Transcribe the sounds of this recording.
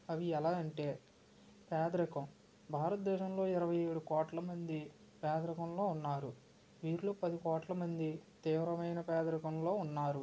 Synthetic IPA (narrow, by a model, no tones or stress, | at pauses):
ɐʋiɛlaːɐɳʈe̞ː | pɛːd̪ɾɐkɐm | bʱaːɾɐt̪̚d̪ɛːʃɐmlo̞ːiɾɐʋɐjeːɽukɔːʈlɐmɐnd̪i | pɛːd̪ɾɐkɐmlo̞ːunːaːɾu | ʋiːɾloːpɐd̪ikɔːʈlɐmɐnd̪it̪iːʋɾɐmɐjnɐpɛːd̪ɾɐkɐmlo̞ːunːaːɾu